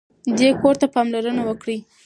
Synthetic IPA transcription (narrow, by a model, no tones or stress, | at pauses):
d̪ekoɾt̪apɑmlaɾənawəkɽi